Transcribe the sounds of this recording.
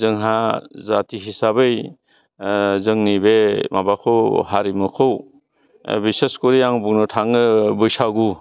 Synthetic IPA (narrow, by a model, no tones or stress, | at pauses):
zɯŋɦazatiɦisabɯj | zɯŋnibemabakʰɯwɦaɾimɯkʰow | biseskɔɾijaŋbuŋnɔtʰaŋɯbɯjsaɡu